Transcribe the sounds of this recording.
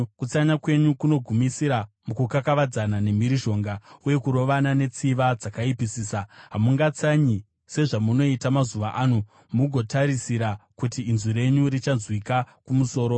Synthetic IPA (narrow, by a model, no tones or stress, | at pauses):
kut͡saɲakwe̞ɲukuno̞ɡʱumisiɾamukukakaʋad͡zanane̞miɾiʒo̞ːŋɡauje̞kuɾo̞ʋanane̞t͡siʋad͡zakaipisiːsaɦamuŋɡat͡saɲi | se̞ʐamuno̞itamazuʋaʔaːnu | muɡʱo̞taɾisiɾakutiːnzwiɾe̞ɲurit͡ʃanzwikakumuso̞ːɾo̞